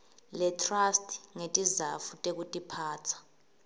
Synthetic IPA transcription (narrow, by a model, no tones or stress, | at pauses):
lɛtʰrastʼʰŋetʼizafutʼek̬utʼipʰaːt͡sʰḁ